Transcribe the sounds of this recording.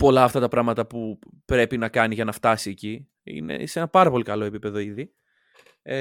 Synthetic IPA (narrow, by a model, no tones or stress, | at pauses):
po̞lɐːft̪ɐt̪ɐpɾɐɣmɐt̪ɐpupɾe̞pinɐkɐniʝɐnɐft̪ɐsie̞ci | ḭne̞̰se̞nɐpɐɾɐpo̞likɐlo̞e̞pipe̞ðo̞iði